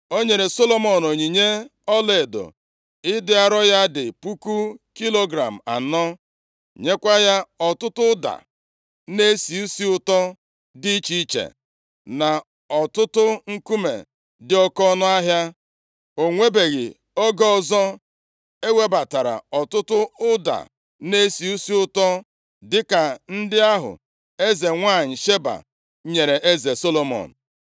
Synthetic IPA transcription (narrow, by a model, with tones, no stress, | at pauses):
o˦ɲe˨ɾe˨so˦lo˨mɔ˨no˨ɲi˨ɲe˦ɔ˦le˨do̰˨ | ɪ˦dɪ˦a˨ɾɔ˦ja˦dɪ˨pu˦ku˦ki˦lo˦ɡɾa˨m̩˨a̰˨nɔ˦ | ɲe˦kʷa˦ja˦ɔ˨tʊ˦tʊ˦da̰˨ | ne˦si˨u˦si˦ʊ˦tɔ˦ | dɪ˦t͡ʃi˦t͡ʃḛ˨ | na˨ | ɔ˨tʊ˦tʊ˦ŋ̩˦ku˦mḛ˨ | dɪ˨˦ɔ˦kɔ˦nɔ˦a˦ɦja˦ | o˨ŋʷe˦be˨ɣɪ̰˨ | o˦ɡɔ˦ɔ˦zɔ˦ | e˦we˦ba˨ta˨ɾa̰˨ɔ˨tʊ˦tʊ˦ʊ˦da̰˨ | ne˦si˨u˦si˦ʊ˦tɔ˦ | dɪ˦ka˨n̩˦dɪ˦a˦ɦʊ̰˨ | e˦ze˨ŋʷa˦˨ɲ̩˨ʃe˦ba̰˨ | ɲe˨ɾe˨ʔe˦ze˨so˦lo˦mɔ̰˨n̩˨